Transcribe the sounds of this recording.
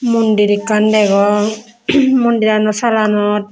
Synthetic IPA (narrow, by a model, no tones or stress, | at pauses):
mundiɾikːandɛɡɔ | mundiɾanɔsalanɔt̚